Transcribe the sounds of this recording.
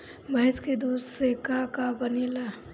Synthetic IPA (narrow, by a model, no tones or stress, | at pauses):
bʱəɪsked̪uːssekakabəniːla